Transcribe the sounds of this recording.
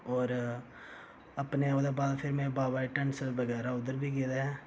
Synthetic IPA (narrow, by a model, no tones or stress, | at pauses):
ɔːɾ | ɐpneoːd̪ebaːd̪pʰɪɾmẽbaːʋaːiʈə̃nsʋɐɡɛːɾaʊd̪əɾbʱiɡeːd̪aɛː